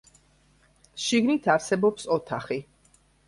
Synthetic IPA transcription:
ʃiɡnit̪ʰaɾsɛbɔpsɔt̪ʰaχi

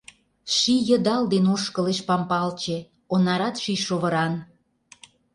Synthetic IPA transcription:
ʃijə̆d̪ɑld̪enoʃkə̆leʃpɑmpɑlt͡ɕe | onɑɾɑt̪ʃiʃoβə̆ɾɑn

